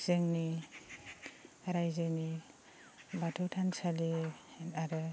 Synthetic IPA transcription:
z̥eŋni | ɾajzeni | batʰɔwtʰansaliaɾɯ

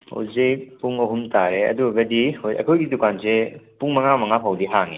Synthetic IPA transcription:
ho̰zejpuŋɐɦumtaɾeɐ̰duɡɐdihojɐ̰kʰojɡidukansepuŋmɐŋamɐŋapʰawdiɦaŋi

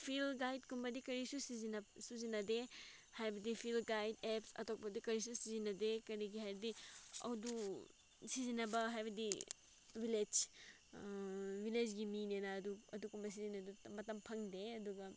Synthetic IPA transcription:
pʰilɡajd̚kumbɐdikɐɾisusizinɐsuzinɐde | hajbɐdipʰilɡajdepsɐ̰tok̚pɐdikɐɾis̬usizinɐdekɐɾiɡiɦajbɐdiɐ̰wdu | sizinɐbɐɦajbɐdi | wiled͡ʒ | wiled͡ʒɡiminenɐːduɐdukumbɐs̬izinɐdumɐtɐmpʰɐŋdeɐduɡɐ

